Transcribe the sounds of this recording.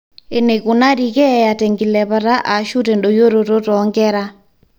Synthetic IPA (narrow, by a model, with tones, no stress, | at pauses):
e˨ne˨ku˨na˦ɾi˨kɛ˦ja˨tɛ˨ŋɡi˨lɛ˨pa˨ta˦ʔa˨ʃu˦tɛ˨nɗɔ˨jo˦ɾo˨to˦tɔŋɡɛ˦ɾa˦